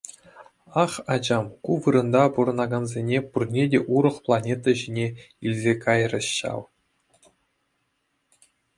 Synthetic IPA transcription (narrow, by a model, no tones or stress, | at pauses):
ɑχɑd͡ʑɑmkuʋɯɾɤ̆nd̪ɑpuɾɤ̆nɑɡɑnzʲenʲepurnʲedʲeʔuɾɤ̆χplˠɑnʲet̪ɑʑinʲe | ilʲzʲekɑjrʲɤ̆ɕːɑ̰lˠ